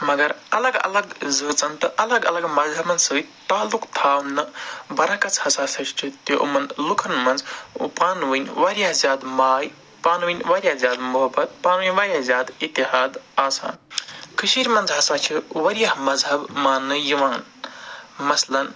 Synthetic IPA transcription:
mɐɡɐɾɐlɐɡɐ̰lɐɡzɨːt͡sɐnt̪ɐʔɐlɐɡɐlɐɡmɐzɦɐbmɐnzsɨːt̪aːlukt̪ʰaːwnɨbɐɾɐkɐt͡shɐsaːsɐt͡ʃʰt͡ʃʰit̪juʔṵmɐnlukʰɐnmɐnz̰paːnʋɨnʲʋɐɾjaɦzʲjaːd̪maːj | paːnʋinʲʋɐɾʲjazjaːd̪muɦɐbɐt̪̚paːnʋinʲʋɐɾjazʲjaːd̪it̪ːiɦaːd̪aːsa̰ːnkʰɨʃiːɾʲmɐnd͡zɦɐsaːt͡ʃʰiʋɐɾijɐhmɐzɦɐbmaːnːɨjiʋaːn | mɐslɐn

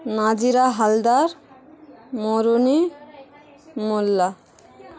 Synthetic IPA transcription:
nad͡ʒiɾaɦald̪aɾ | moɾuni | molːa

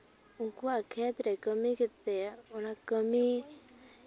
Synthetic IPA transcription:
uŋkuakʰet̪ɾekəmikɪt̪ːeunakəmi

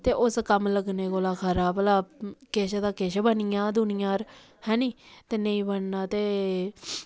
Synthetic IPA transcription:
t̪eːʔʊskəmləɡneːkoːlaːkʰəɾaːblaːkeːʃd̪aːkeːʃbənɪjãːd̪ʊnɪjãːɾ | hɛ̃ːniːt̪eːneĩːbəɳnaːt̪eː

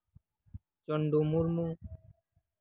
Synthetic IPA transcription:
t͡ɕɔɳɖumuɾmu

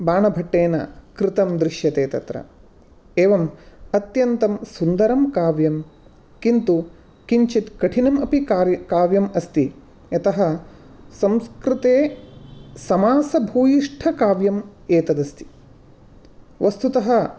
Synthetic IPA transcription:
baːɳɐbʱɐʈːeːnɐ̰kɾɪit̪ɐmd̪ɾiʂjɐt̪eːt̪ɐ̰t̪ɾɐ̰ | eːʋɐmɐt̪jɐnt̪ɐmsund̪ɐɾɐmkaːʋjɐm | kint̪u | kiɲt͡ʃit̪kɐʈʰinɐmɐpikaɾjɐkaːʋjɐmɐst̪i | ɐt̪ɐɦɐ | sɐ̃mskɾɪt̪eː | sɐmaːsɐbʱuːjiʂʈʰɐkaːʋjɐmeːt̪ɐd̪ɐst̪i̥ | ʋɐst̪ut̪ɐɦɐ̆

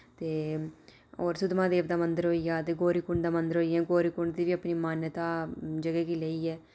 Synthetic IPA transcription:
t̪eː | oːɾsʊd̪mãːd̪eːʋd̪aːmənd̪əɾɦoːiːjaːt̪eːɡoːɾiːkʊɳd̪aːmənd̪əɾɦoːiːɛ̃ːɡoːɾiːkʊɳd̪iːʋiːəpniːmaːnjət̪aːd͡ʒəɡɛːkiːləiːɛː

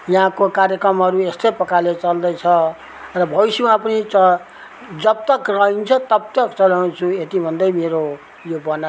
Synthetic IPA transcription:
jʌɦãkokaɾjekrʌmɦʌɾuest̪ʌjpʌkalet͡sʌld̪ʌjt͡sʰʌ | rʌbʱʌisimãpʌnit͡sʌ | d͡zʌb̚t̪ʌkrʌɦint͡sʰʌt̪ʌb̚t̪ʌkt͡sʌlawnt͡sʰuet̪ibʱʌnd̪ʌjmeɾo | jobʌna

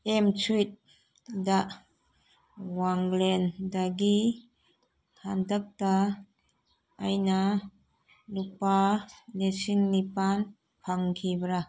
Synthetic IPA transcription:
emt͡ʃʰujt̚ | da | waŋlendaɡi | tʰandak̚ta | ajna | lupanesiŋnipan | pʰaŋkʰibɾa

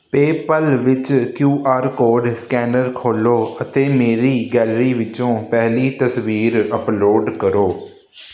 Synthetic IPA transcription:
peːpəlʋɪt͡ʃkjuːʔaːɾkoːɖskɛːnəɾkʰoːloːət̪eːmeːɾiːɡɛːlɾiːʋɪt͡ʃõːpɛɦliːt̪əsʋiːɾəploːɖkəɾoː

